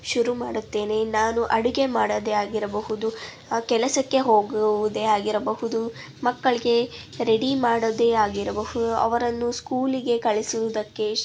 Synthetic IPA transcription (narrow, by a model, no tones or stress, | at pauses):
ʃuɾumaːɽut̪ːe̞ːne̞naːnuʔɐɽuɡe̞maːɽɐd̪eaːɡiɾɐbɐɦud̪u | kɛlɐsɐkːe̞ɦo̞ːɡɐʋud̪eaːɡiɾɐbɐɦud̪u | mɐkːɐɭiɡe̞ | ɾe̞ɽimaːɽɐd̪eaːɡiɾɐbɐɦud̪uʔɐ̰ʋɐɾɐnːuskuːliɡe̞kɐɭisud̪ɐkːe̞